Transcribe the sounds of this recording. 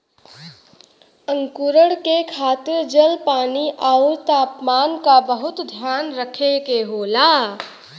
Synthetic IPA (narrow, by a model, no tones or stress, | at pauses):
əŋkuɾəɽkekʰaːt̪ɪɾd͡ʒəlpaːniʔaʊɾt̪aːpmaːnkabəɦʊt̪d̪ʱjaːnɾəkʰekeɦoːlaː